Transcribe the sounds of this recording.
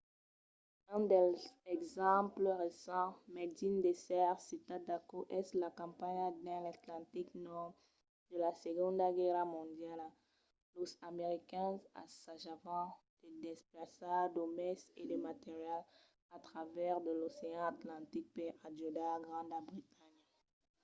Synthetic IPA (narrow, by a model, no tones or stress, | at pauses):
ɛ̃d̪ɛɛɡzɑ̃pləʁesɑ̃mɛd̪ind̪esɛʁsit̪ad̪akoʔɛslakɑ̃paɲd̪ɛ̃lat̪lɑ̃t̪iknɔʁ | d̪̥əlaseɡɔ̃d̪ɡɛʁamɔ̃d̪jal | losameʁikɛ̃za̰saʒavɑ̃d̪̥əd̪esplasad̪omɛsed̪əmat̪eʁjal | at̪χavɛʁd̪əloseɑ̃at̪lɑ̃t̪ik̚pead͡ʒod̪aɡʁɑ̃d̪abʁit̪aɲ